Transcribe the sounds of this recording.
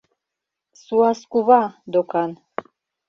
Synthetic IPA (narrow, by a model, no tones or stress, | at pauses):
suaskuβad̪okan